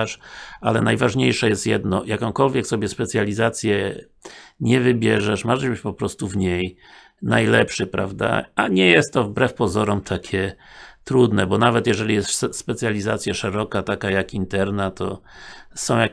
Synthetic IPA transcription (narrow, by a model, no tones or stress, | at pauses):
ʂalɛnajvaʐɲejʂɛjɛst̪jɛd̪nɔjakɔ̃w̃kɔlvʲjɛksɔbʲjɛspɛt̪sʲjalʲizat̪sʲjɛ | ɲɛvɘbʲjɛʐɛʂmaʐɛʑbɘt͡ɕpɔpɾɔst̪uvɲej | najlɛpʂɘpɾa̰vd̪a̰aɲɛjɛst̪ːɔvbɾɛfpɔzɔɾɔmt̪ʰakʲʰɛt̪ɾud̪nɛbɔnavɛt̪jɛʐɛlʲijɛst̪spɛt̪sʲjalʲizat̪sʲjaʂɛɾɔkat̪akajakint̪ɛɾnat̪ʰɔ̰ | sɔ̃w̃ja